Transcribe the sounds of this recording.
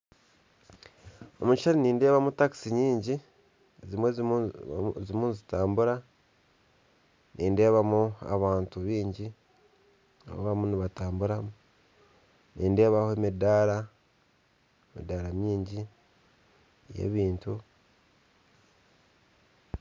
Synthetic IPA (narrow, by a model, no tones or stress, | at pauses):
o̞̰muiʃaɾiniːnde̞ːβamutaki̥siɲiːɲɟi | ezimwe | zimuːnzitaːmbuɾa | nʔiːnde̞ːβamua̰βaːntuβiːɲɟi | a̰βo̰βamuniβataːmbuɾamu | niːnde̞ːβahoemidaɾa | emḭdaɾamjiːɲɟi | jḛβiːntu